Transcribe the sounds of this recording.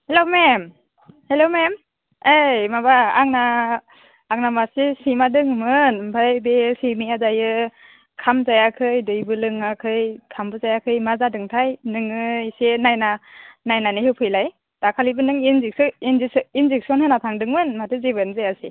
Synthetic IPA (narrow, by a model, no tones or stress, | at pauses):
helomem | helomem | ejmabaːŋnaː | ŋnamasisimadɯŋmɯnbʰʱajbesimiazajɯ | kʰamzajakʰɯjdɯjbɯlɯŋakʰɯjkʰambɯzajakʰɯjmazadɯŋtʰajnɯŋɯsenajnanajnanɯhɯwpʰɯjlaj | d̥akʰalibɯnɯŋinininzek̚siɔnhɯnatʰaŋdɯŋmɯnmatʰɯzibɯnzajasi